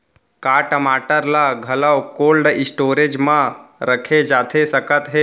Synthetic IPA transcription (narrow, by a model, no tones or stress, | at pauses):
kaːʈəmaːʈəɾlaɡʱɐləwkoːlɖɪsʈoːɾed͡ʒmãɾəkʰed͡ʒaːt̪ʰesəkət̪ɦe